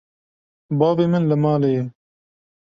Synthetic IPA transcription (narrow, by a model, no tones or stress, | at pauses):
bɑːveːmənləmɑːleje